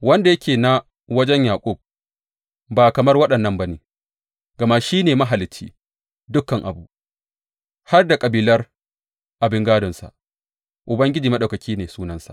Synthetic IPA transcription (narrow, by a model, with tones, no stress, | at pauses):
wɐ˦nda˨jɐ˦kʲʰeː˨na˨ | wɐ˦d͡ʒɛ˦ɲjaː˨kʷʼʊ˦˨b̚ | baː˨kɐ˨mɐ˦rwɐ˦ɗɐ˨nːɐ˦mba˦neː˨ | ɡ̥ɐ˨ma˦ʃiː˦neː˨ma˦ɦa˨lɪ˦t͡ʃːḭː˦ | dʊ˦kːɐ˨ŋʔa̰˨bu˦ | ha˦rda˨kʼɐ˨biː˨lɐ˦r | ʔa˨bɪ˦ŋɡaː˦dɔ˨nsa̰˨ | ʔʊ˨bɐ˦ŋɡʲɪ˦d͡ʒiː˨mɐ˦ɗa˨kɐ˨kʲʰiː˦neː˨suː˦nɐ˦nsa̰˨ʔ